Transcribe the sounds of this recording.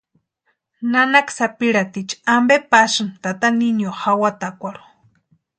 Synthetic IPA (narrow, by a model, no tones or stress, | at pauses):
nanaksapiɾat̪it͡ʃambepasɨnt̪at̪aninjoxawat̪akʷaɾu̥